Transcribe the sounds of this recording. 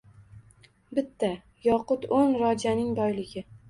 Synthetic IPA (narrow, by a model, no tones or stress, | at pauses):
bɪt̪ʰːa | jɒqʊt̪onɾɒd͡ʒanɪŋb̪ɒjlɪɡʲɪ